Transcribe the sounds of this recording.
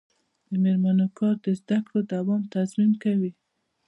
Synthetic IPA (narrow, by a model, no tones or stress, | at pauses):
d̪̥əmeɾmanokɑɾd̪əzd̪akɽod̪awɑmt̪azmimkawi